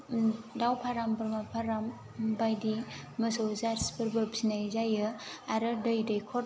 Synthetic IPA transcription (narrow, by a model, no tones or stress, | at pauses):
dawpʰaɾambɾmapʰaɾam | bajdi | mɐsowzaɾspʰɯɾbɯbsinajzajɯaɾɯdɯjdəjkʰɔ